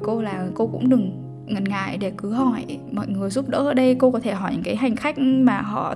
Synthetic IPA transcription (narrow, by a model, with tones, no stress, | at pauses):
ko˧laː˨˩ko˧kʊ̰˧˥ŋ͡mɗɨ˨˩ŋ | ŋə˨˩nŋa̰ː˧˨jɗe˧˩kɨ˨˦ɦɔ˧˩jmɔ̰ː˧˨jŋɨ˨˩əjzu˦˥p̚ɗə̰˧˥ʔəː˧˩ɗə˧jko˧kɔ˨˦t̪ʰe˧˩ɦɔ˧˩jɲɨ̰˧˥ŋkaː˨˦jɦa˨˩jŋ̟xa˦˥k̟̚ʔmaː˨˩ɦɔ̰˧˨